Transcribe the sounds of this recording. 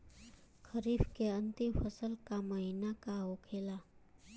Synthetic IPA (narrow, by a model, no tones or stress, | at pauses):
kʰəɾiːfkeə̃nt̪ɪmfəsəlkaməɦinakaɦokʰeːla